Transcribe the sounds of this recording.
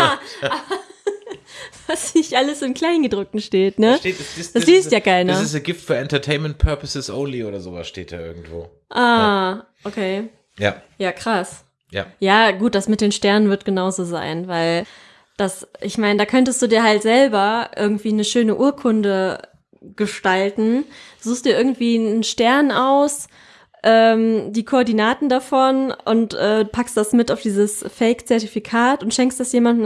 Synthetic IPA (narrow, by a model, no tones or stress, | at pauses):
aa | v̥asnɪçtʔaləsɪmkʰl̥aɪnɡədʁʊk̚tn̩ʃteːtnəʃte̥ːsɪsd̥asliːstjaːkʰaɪnɐɪsəɡɪftfyːɐɛntɐtʰeɪnmɛnt̚pʰœɐpəsɪsʔoʊnliʔoːɾɐzoːva̰sʃteːt̚d̥a̰ːʔɪ̰ɐɡ̚ŋ̩tv̥o̰ː | ʔaːʔokʰeː | jaːjaːkʁ̥as | ja̰jaːɡuːt̚d̥asmɪt̚d̥eːnʃtɛɐnənvɪɐt̚ɡ̥ənaʊzoːza̰ɪnvaɪl | d̥asʔɪçmaɪnədaːkʰœntəstd̥uːdiːɐɦaltz̥ɛlbɐʔɪ̰ɐɡŋ̩tv̥iːnəʃøːnəʔuːɐkʰʊndə | ɡ̥əʃtaltn̩z̥uːxstd̥iːʔɪɐɡŋ̩tv̥iːnənʃtɛɐnaʊs | ʔɛːmdiːkʰoːɐdinaːtn̩dafɔnʔʊ̰ntʔɛːpʰakstd̥asmɪtaʊfd̥iːzəsfɛɪkt͡sɛɐtifikʰaːtʊntʃɛŋkstd̥asjeːmandn̩